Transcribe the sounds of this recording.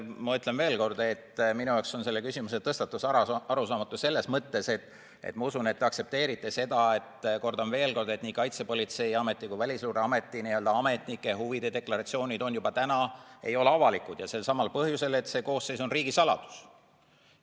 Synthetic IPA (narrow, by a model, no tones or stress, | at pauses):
mɑyt̪le̞nve̞ːlko̞rd̪̥e̞t̪ːminujɑokso̞nse̞lːekysimuse̞t̪ɤst̪ɑt̪ːˑusɑɑɑɾusɑːmɑt̪ːˑuse̞lːe̞smɤt̪ːe̞se̞t̪ | ḛt̪mɑusune̞t̪tːeɑkse̞p̚t̪e̞ːɾit̪ːˑe̞se̞d̪ɑe̞t̪ko̞rd̪̥ɑmve̞ːlko̞rd̪e̞t̪niːkɑjt̪se̞po̞lʲit̪se̞jiɑme̞t̪ːˑikuijvælʲisluːɾeɑme̞t̪ˑːiniøld̪ɑɑme̞t̪ˑnikːˑehuvid̪̥ed̪e̞klɑɾɑt̪sio̞ːnʲid̪̥o̞njubɑt̪ænɑe̞jo̞le̞ɑvɑlikud̪jɑse̞lsɑmɑlpɤhjuse̞le̞t̪se̞ko̞ːsːe̞jso̞nriːɡ̥isɑlɑ̰d̪̥u̥s